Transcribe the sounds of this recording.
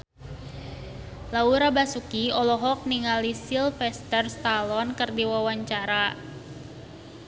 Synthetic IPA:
lauɾabasukiɔlɔɦɔk̚niŋalisilfɛst̪ərst̪alɔnkɨrdiwawaɲt͡ʃaɾa

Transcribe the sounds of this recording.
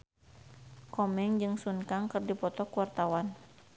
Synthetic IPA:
kɔmɛŋd͡ʒɨŋsunkaŋkərdipɔt̪ɔkuwart̪awan

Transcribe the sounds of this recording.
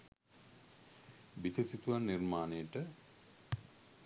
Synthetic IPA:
bit̪ʰisit̪uʋanːirmaːnejəʈə

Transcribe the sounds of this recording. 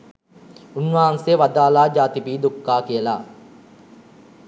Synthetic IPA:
unʋaːɐnseʋad̪aːlaːd͡ʒaːt̪ibiːd̪ukːaːkijəla̰ː

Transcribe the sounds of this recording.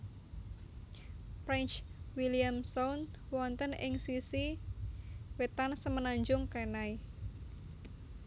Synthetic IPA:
pɾɛnt͡ʃwiliamson | wɔnt̪ənɪ̰ŋsisi | wet̪ansəmənaɲd͡ʒʊŋkenai

